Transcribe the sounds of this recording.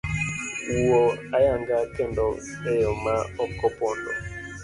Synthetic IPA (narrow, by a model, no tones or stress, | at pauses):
uɔajaŋɡakɛndɔ | ɛjɔmaɔkɔpɔndɔ̰